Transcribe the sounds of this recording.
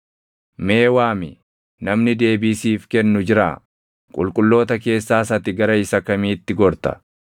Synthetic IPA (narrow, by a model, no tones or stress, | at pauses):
me̞ːwaːmɪ̰ | nɐmnɪd̪e̞ːbiːsiːfkɛnːʊd͡ʒɪɾa̰ː | kʼʊ̰lkʼʊlːo̞ːt̪ɐke̞ːsːaːsɐt̪ɪɡɐɾɐɪsɐkɐmiːt̪ːɪɡɔɾt̪ɐ̥̰